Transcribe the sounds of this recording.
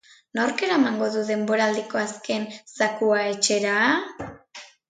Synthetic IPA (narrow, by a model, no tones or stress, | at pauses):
noɾke̞ɾaemaŋɡo̞ðuðe̞mbo̞ɾaːld̪iko̞aske̞nsakuae̞t͡ʃe̞ɾaː